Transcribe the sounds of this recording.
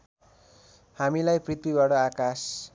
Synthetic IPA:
hamilajprit̪wibaɽʌakas

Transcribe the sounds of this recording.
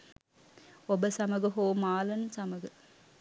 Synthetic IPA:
ɔbɐsɐmɐɣɐɦoːmaːlɐnsɐmɐɣɐ

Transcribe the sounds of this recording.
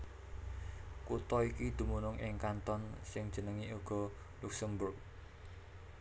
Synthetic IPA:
kut̪ɔikid̪̥ṳmunʊŋʔɪŋkant̪ɔnsɪŋd̥ʒ̥ə̤nəŋiuɡ̥ɔ̤ | luksəmbʊrk̚

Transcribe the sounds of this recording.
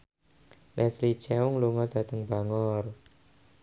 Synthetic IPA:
lʔɛslit͡ʃɛʊŋluŋɔd̪̥a̤t̪əŋbaŋɔr

